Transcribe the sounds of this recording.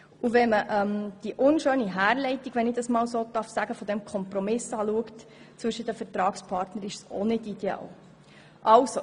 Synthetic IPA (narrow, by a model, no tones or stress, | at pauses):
uvɛməʔɛmd̥iʔʊnʃøːniɦæːɾlɛɪtiɡʋɛnɪd̥ɑsmɑːlwsoːd̪̥ɑɾfsæɡ̥əfɔd̥̪ɛmkʰɔmpɾɔmɪsɑːluəkt | t͡sʋɵʃːət̚d̥əfəɾtɾɑːkspʰɑːɾtnəɾɪʃso̰nɪtid̥̪ɛɑ̰ːl | ʔɑlso